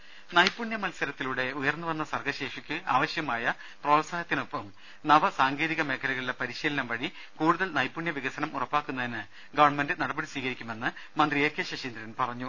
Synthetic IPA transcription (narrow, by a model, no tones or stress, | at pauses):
nɐjpːuɳjɐmɐlsɐɾɐt̪ːiluɽe̞ujɐrnːɨʋɐnːɐsɐrkʰɐɕe̞ːʂikʲːɨaːʋɐɕjɐmaːjɐ | proːʈsaːjɐt̪ːino̞pːɐm | nɐʋɐsaːŋɡe̞ːðiɣɐme̞ːkʰːɐluɣɐɭilepɐɾiɕiːlɐnɐmʋɐɽi | kuːɽuðɐlnɐjpːuɳjɐʋiɣɐsɐnɐmurɐpːaːkːunːɐðinɨ | ɡɐʋɐɳme̞ndɨnɐɽɐbɐɽisʋiːɣɐɾikʲːume̞nːɨ | mɐnd̪rieːkʰjɐɕɐɕiːnd̪ɾɐɾinpɐrɐɲːu